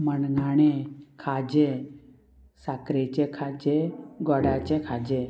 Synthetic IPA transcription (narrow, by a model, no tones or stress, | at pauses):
mənɡaɽ̃ekʰad͡ʑe | sakɾet͡ɕekʰad͡ʑeɡɔɽat͡ɕekʰad͡ʑe